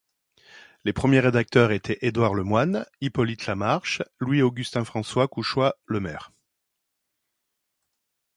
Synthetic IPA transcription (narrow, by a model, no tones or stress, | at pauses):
lepχəmjeʁed̪ak̚t̪œʁet̪ʰɛʔed̪waʁləmwanipɔlit̪lamaʁʃlwioɡʲyst̪ɛ̃fχɑ̃swakuʃwaləmɛ̰ʁ